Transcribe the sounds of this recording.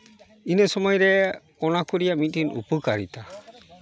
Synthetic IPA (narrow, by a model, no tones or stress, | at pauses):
inɛsɔmɔjɾɛkɔnakuɾijamit̪̚inṵpɨkaɾit̪a